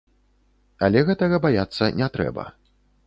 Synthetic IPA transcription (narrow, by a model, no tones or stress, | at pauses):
ɐlʲɛɣɛt̪ɐɣɐbajat̪sːɐnʲɛt̪ɾɛ̰bɐ̰